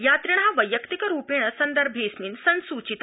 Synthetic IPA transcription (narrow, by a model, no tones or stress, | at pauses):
jaːt̪ɾiɳ̃aʋəjəkt̪ikəɾuːpiɳ̃əsɐnd̪əɾbʱeːsmiːnsənsut͡ɕit̪